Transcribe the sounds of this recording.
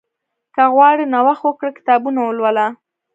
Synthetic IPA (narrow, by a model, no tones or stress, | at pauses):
kaɣwɑɽenawaxwəkɽəkɪ̥t̪ɑbunawəlwəla